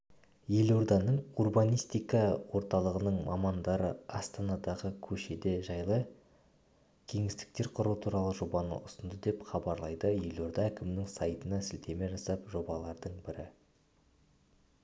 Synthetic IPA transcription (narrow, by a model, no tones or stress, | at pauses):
je̞loɾd̪ɑnəɴurbɑnijst̪ijkɑwo̞ɾt̪ɑlˠəʁənəɴmɑ̰mɑnd̪ɑɾəɑst̪ɑnɑd̪ɑʁəkʲʰɵʃe̞d̪e̞ʒɑjlˠə | kʲʰe̞ŋɪst̪ɪ̥k̚t̪e̞ɾqʰʊɾuwət̪ʰuɾɑlˠəʒo̞bɑnə̰ʊsənd̪əd̪e̞pχɑbɑɾlˠɑjd̪əje̞lo̞ɾd̪ɑækʲɪmɪnɪŋsɑjt̪ənɑsɪlt̪e̞me̞ʒɑsɑpʒo̞bɑlˠɑɾd̪əɴbɪɾɪ